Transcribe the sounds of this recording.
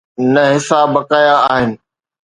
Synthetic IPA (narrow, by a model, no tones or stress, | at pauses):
nɐɦɪsaːbːɐkaːjaaːɦɪnɪ̆